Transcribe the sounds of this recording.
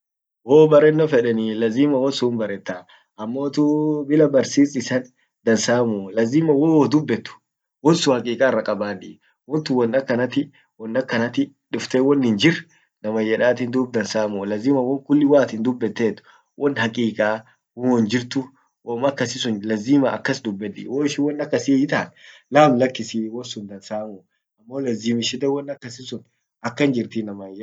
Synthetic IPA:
woːbɐɾɛnːɔfɛᶑɛnilɐziːmɐwɔnsʊmbɐɾɛt̪ːa | ʔɐmːo̞ːt̪ʊbɪlɐbɐɾsiːsɪsɐn | d̪̥ɐnsaːmʊlɐziːmɐwowɔd̪ʊbːɛt̪ːʊ̥ | wɔnsʊhɐkʼiːkʼaːɪrːɐkʼɐbaːᶑɪ̰ː | wɔnt̪ʊwɔnːɐkːɐnɐt̪ːɪ | wɔnːɐkːɐnɐt̪ɪ | ᶑʊft̪eːwɔnːhɪnd͡ʒɪr | nɐmɐjɛᶑaːt̪ind̪ub̚d̪ɐnsaːmuːlɐziːmɐwɐŋkʊlːɪwaːt̪ɪnd̪ʊbːɛt̪ːeːt̪ʊ̥ | wʔɔnhɐkʼiːkʼaː | wʊɔnd͡ʒɪɾt̪ʊ | woːmɐkːɐsɪsʊnlɐzːiːmɐɐ̰kːɐsd̪ʊbːɛᶑ̪ɪ̰ːwoːɪʃɪwɔnːɐkːɐsɪjɪt̪ɐnlaːmlɐkːɪsiwɔnsʊnd̪ɐnsaːmuː | ɐmːo̞ːlɐziːmɪʃɪd̪ɛwɔnːɐkːɐsɪsʊn | ɐkːɐnd͡ʒɪɾt̪ɪnɐmɐjɛ

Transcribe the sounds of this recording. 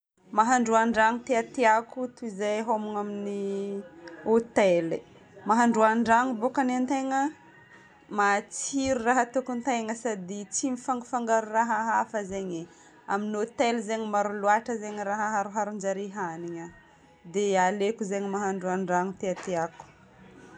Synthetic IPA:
maɦaɳɖ͡ʐuaɳɖ͡ʐaŋut̪eat̪eakut̪uizajɦomuŋamini | ot̪eli | maɦaɳɖ͡ʐuaɳɖ͡ʐaŋubokanant̪ejŋə | mat͡siɾuraɦət̪ukunt̪ejŋəsad̪it͡simifaŋɡufaŋɡaɾuraɦaɦafəzeɲi | a̰minot̪elzeɲəmaɾulwaʈ͡ʂəzeɲəɾaɦaɦaɾuɦaɾund͡ʒaɾiɦaniɲə | d̪ealekuzeɲəmaɦaɳɖ͡ʐuaɳɖ͡ʐaŋut̪eat̪eaku̥

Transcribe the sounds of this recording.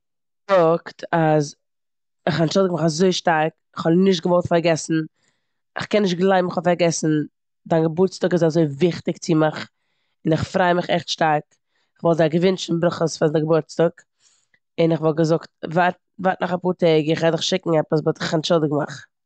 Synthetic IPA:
fʊktʰaz | ɪχanʃɔldɪɡ̚maχazoɪʃtaɾk | ɪχhɔlnɪʃtɡəvɔlˠtfaɾɡɛsn̩ | ɪχkɛnːɪʃ̬tɡlˠaɪbm̩ɪχɔfaɾɡɛsn̩ | daɪnɡəbʊɾt͡stʊkɪsazoɪvɪχtɪkt͡sɪmɪχ | ɪnɪχfɾaɪmɪχɛ̰χtʃtaɾk | ɪχvɔlˠzaɪɡəvʏnt͡ʃn̩bɾʊχəsfandɪɡəbʊɾt͡stək | ɪnɪχvɔlˠɡəzʊktvat̚ | vatnʔɔχapuːɾtɛɡəɪχvɛdɪχʃɪkŋ̩ɛpəs̬botɪχanʃɔlˠdɪɡma̰χ

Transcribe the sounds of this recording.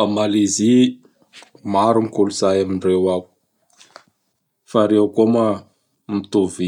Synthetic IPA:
amalizi | maɾumikuluzajamiɳrewaw | faɾewkoma | mit̪uvi

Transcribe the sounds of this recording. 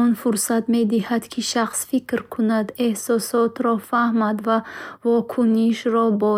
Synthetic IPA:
ɔnfuɾsat̪me̞d̪ihad̪kʰiʃaχsfikɾkʰunad̪ehsɔsɔt̪ɾɔfahmad̪vavɔkʰuniʃɾɔbɔ

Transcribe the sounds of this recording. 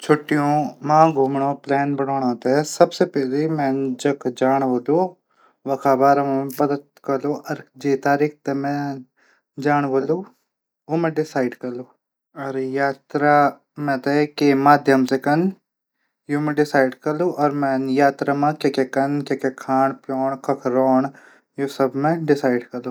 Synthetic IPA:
t͡ʃʰoʈːijõmãːɡʱuːmɳ̃oːplɛːnbənoːɽ̃ãːt̪esɐbsepɛːlemɛ̃nd͡ʒɐkʰd͡ʒaːɳ̃ʋoloː | ʋɐkʰaːbaːɾɐmẽpɐd̪ət̪̚kɐɾloːʔɔɾd͡ʒeːt̪aːɾiːk̚ʰt̪emɛ̃ | d͡ʒaːɳ̃ʋoloː | oːmẽɖɪsaːɪɖkɐɾloː | ɔɾjaːt̪ɾaː | mɛ̃ːt̪ekemaːd̪ʱjəmsekɐn | joːmẽːɖɪsaːiɖkəɾloːʔɔːɾmɛ̃ːnjaːt̪ɾaːmãːkeːkekɐnkeːkekʰaːɳpjɔːɳkəkʰɾɔːɳ | joːsəbmɛ̃ɖɪsaːɪɖkəɾloː

